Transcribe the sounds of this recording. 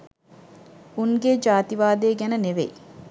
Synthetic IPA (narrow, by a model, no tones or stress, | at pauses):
uŋɡed͡ʒaːt̪iʋaːd̪eːɡænəneʋḛj